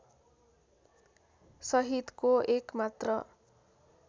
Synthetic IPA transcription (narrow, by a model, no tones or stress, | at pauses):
sʌɦid̪koekmat̪rʌ